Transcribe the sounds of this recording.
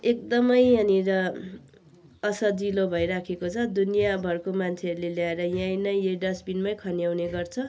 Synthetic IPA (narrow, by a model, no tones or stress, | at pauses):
ek̚d̪ʌmʌjaniɾʌ | ʌsʌd͡zilobʱʌjɾakʰekot͡sʰʌd̪unijabʱʌrkomant͡sʰeʌɾuleljaeɾʌjãjnʌjeɖʌsbinmʌjkʰʌnjawneɡʌrt͡sʰʌ